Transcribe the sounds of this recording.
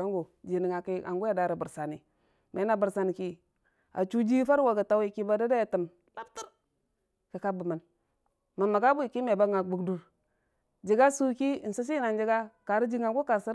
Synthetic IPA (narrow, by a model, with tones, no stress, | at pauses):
a˦ŋɡo˨d͡ʒi˨ni˨ŋa˨ki˦ʔa̰˨ŋɡu˦a˨da˨˦ɾa˨bu˨ɾsa˨ni˨ | me˨˦a˨bə˨ɾsa˨ni˨ki˦ | a̰˨t͡ʃu˦d͡ʒi˦fa˦ɾwa˨ɡa˨ta˦wi˨ki˦ba˦da˦da˦ja˨tə˨m | la˦btu˦ɾ | ka˨ka˦bə˨ma˨n | ma˨ma˨ka˦bu˦i˨ki˦me˨ba˦ŋa˨ɡ͡bu˨ɡdu˨ɾ | d͡ʒi˨ɡa˦su˦ki˦˨n̩˨su˦s̬i˦na˨nd͡ʒi˦ɡa˦ka˨ɾi˦d͡ʒi˦ŋa˨ɡu˦ka˨si˦ɾ